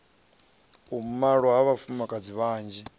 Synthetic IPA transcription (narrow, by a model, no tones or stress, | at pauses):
um̩maɺɔɦaβafumakʼad͡ziβaːnd͡ʒi